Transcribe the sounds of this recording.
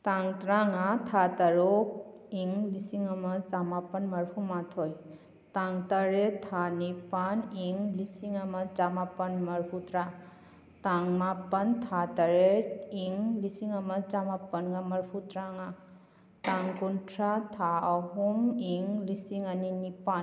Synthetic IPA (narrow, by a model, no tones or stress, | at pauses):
taŋtɾaŋatʰataɾok̚iŋlisiŋamɐd͡ʒamapənmɐɾpʰumatʰoj | taŋtaɾet̪ʰanipaniŋlisiŋamɐd͡ʒamapɐnmɐɾpʰut̪ɾa | taŋmapɐnt̪ʰataɾeiŋlisiŋamɐd͡ʒamapənɡamɐɾpʰutɾaŋa | taŋkuntʰɾat̪ʰaaɦumiŋlisiŋaninipan